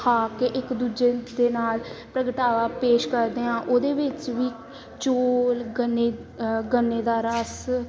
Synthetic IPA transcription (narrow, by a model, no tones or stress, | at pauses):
aːkeʔɪkd̪uːd͡ʒeːd̪eːnaːlpɾəɡʈaːʋaːpeːʃkəɾd̪eːãːʔoːd̪eːʋɪt͡ʃʋiː | t͡ʃoːlɡənːeː | ɡənːeːd̪aːɾəs